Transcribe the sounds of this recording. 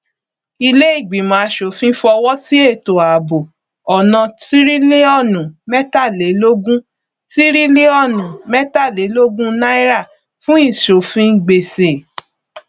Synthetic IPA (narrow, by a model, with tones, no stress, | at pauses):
i˧le˦i˦˨ɡ͡bi˨mã˨˦ʃo˨fĩ˦fɔ˧wɔ˦si˦e˦˨to˨a˨bo˨ | ɔ˨nã˧ti˦ɾi˦le˦ɔ˦˨nũ˨mɛ˦ta˦˨le˨˦lo˦ɡũ˦ | ti˦ɾi˦le˦ɔ˦˨nũ˨mɛ˦ta˦˨le˨˦lo˦ɡũ˦nã˦i˦ɾa˦˨ | fũ˦i˦˨ʃo˨fĩ˧˦ɡ͡be˨se˨